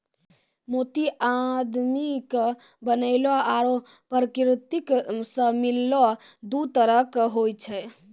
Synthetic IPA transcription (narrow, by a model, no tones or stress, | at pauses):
mot̪iʔad̪mik | bənəɪlɔaɾo | pɾəkɾit̪iksə̃milːɔd̪ut̪əɾəkɦojt͡ʃʰɛ